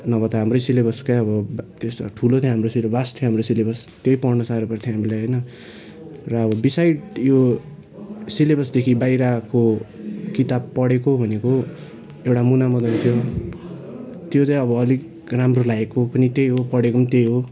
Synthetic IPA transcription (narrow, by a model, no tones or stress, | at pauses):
nʌbʌt̪ʌɦamrʌjsilebʌskajʌbʌt̪est̪ʈʰulot̪ʰjoɦamrosilʌbast̪ʰjoɦamrosilebʌst̪jojpʌrnʌsaɾepʌrt̪ʰjoɦamilajɦʌjnʌ | rʌːbʌbisajɖjo | silebʌsd̪ekʰibajɾakokit̪abpʌɽekobʱʌneko | ewʈamunamʌd̪ʌnt̪ʰjo | t̪jot͡saĩʌbʌːlik | ramrolaekːopʌnit̪ejɦopʌɽekoʌnit̪ejɦo